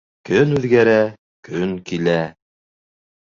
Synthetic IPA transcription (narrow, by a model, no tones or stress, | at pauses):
kɵnʉðɡæɾæ | kɵŋkilæ